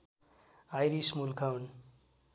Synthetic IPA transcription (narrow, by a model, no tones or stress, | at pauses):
ajɾismulkʰawn